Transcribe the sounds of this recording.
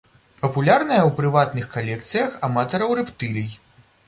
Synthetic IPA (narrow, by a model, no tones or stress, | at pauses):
pɐpulʲarnɐjɐwpɾɨvat̪nɨxkalʲɛkt̪sɨjɐxamat̪ɐɾɐwɾɛpt̪ɨlʲij